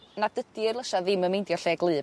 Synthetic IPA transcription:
nadədɨrlˠəʃaðɪməmejndjɔɬɛɡlˠɨː

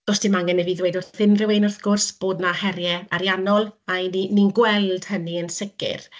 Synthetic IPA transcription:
ɡ̥ɔsd̥ɪmaŋɛnɛviðweɨdʊrθɪnrɪwenʊrθɡ̥ʊrsb̥oːdnahɛɾjɛaɾjanɔlˠanininɡwɛlˠd̥həniənsɪkɪ̰r

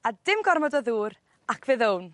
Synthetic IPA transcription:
adɪmɡɔrmɔdɔðuːɾ | akʰv̥ɨːðown

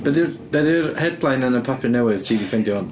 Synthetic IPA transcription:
b̥ɛðɪrb̥ɛðɪrhɛdlˠajnənəpʰapʰɨɹnɛwɪð̥tʰiːdikʰɛndjɔn

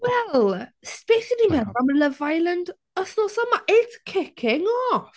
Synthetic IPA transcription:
wɛlˠspesɪnimɛðamələvajlˠənd | əsnɔsɔmaʔetkʰɪkʰɪŋɔ

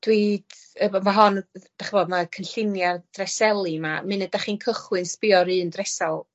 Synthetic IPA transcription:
d̥wiːd̥ | əbɔmaɦɔnd̥aχəboːdmakʰənɬɪnjard̥rɛsɛlˠimamɨnɛdaχinkʰəχwɨnspɪɔɾɨːndrɛsalˠ

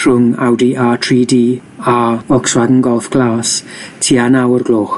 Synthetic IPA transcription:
rʊŋa̰wdiʔatʰriːdi | aɔkswadnɡɔlˠθɡ̥laːstʰiːanawərɡlˠoːχ

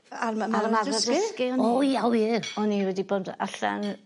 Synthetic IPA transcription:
amaanadadəskɪɔnɔawiɔniwɛdiboːda̰ɬa̰n

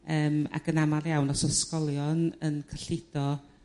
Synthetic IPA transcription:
əːma̰kʰənamarjawnɔsəskɔlˠjɔnənkʰəɬɪd̥ɔ

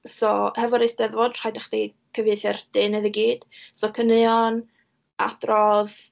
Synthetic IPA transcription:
sɔhɛvɔɾejsd̥ɛðvɔdr̥ajdaχd̥i | kʰəveɨθɛrd̥ɨnɨðəɡiːd̥sɔkʰənɨɔn | a̰d̥rɔð

